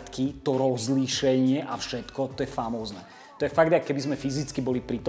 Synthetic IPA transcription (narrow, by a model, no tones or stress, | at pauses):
t̪kit̪ɔɾɔzliʃɛɲɪɛʔafʃɛt̪kɔt̪ɔjɛfamɔːznɛː | t̪ɔjɛfaɡd̪akːɛbizmɛfizit͡skibɔlipɾit̪ɔ